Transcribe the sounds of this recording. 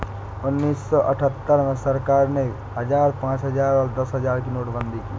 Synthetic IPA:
ʊnːiːsːɔʔəʈʰət̪ːəɾmẽsəɾkaːɾne | ɦəd͡ʒaːɾpãːt͡ʃɦəd͡ʒaːɾɔːɾd̪əsɦəd͡ʒaːɾkinoːʈbə̃nd̪ʱikḭː

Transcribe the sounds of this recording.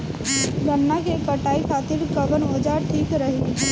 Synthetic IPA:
ɾɐnːakekɐʈaːikʰaːt̪ɪɾkɐbənoːd͡ʒaʈʰiːkɾɐɦi

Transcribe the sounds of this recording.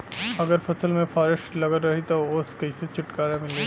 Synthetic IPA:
ɐɡəɾpʰɐsəlmẽfʰaːɾɪʃʈlɐɡəɾɾɐɦit̪ooːskɐiset͡ʃʊʈkaːɾemɪle

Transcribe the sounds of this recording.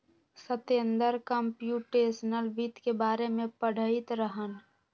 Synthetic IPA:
sət̪eənd̪əɾkəmpjuːʈeːsnəlbit̪kebaːɾemẽpəɽ̤ʱəɪt̪ɾəɦən

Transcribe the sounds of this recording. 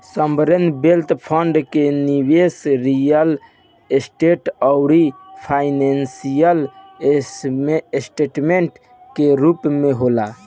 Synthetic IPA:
səmbɾenbelt̪pʰəɳɖkeniwesɾijəl | esʈeʈɔʊɾipʰaɪnensijəlesmesʈeʈmeɳʈ | keɾupmeɦola

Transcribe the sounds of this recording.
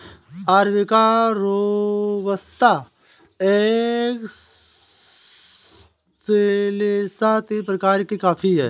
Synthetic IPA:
aːɾʋɪkaɾoʋəst̪a | ek | selesat̪ʰipɾɐkaːɾkikaːpʰiɦɛ̰ː

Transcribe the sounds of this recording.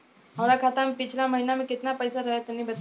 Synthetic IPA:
ɦəmɾakʰat̪ampɪt͡ʃʰlaməɦinamẽkɪt̪napɐjsaɾɐɦet̪ɐnibɐt̪

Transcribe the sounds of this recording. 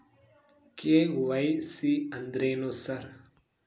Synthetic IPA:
keɡuʋajsiɐnd̪ɾeːnosɐɾ

